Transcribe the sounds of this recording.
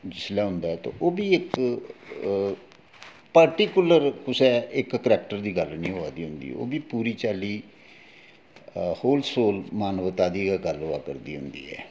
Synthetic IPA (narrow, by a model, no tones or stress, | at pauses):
d͡ʒɪslɛːɦʊ̃nd̪aːɛːt̪õ̰ːʔoːbiːɪk | pəɾʈiːkʊləɾkʊsɛːɪkːəɾɛːkʈəɾd̪iːɡəlnĩːɦoaːd̪iːɦʊnd̪ḭːo̰ːbiːpuːɾiːt͡ʃaːliː | hoːlsoːlmaːnʋət̪aːd̪iːɡaːɡəloa̰ːkəɾd̪iːɦʊnd̪ḭːɛ̰ː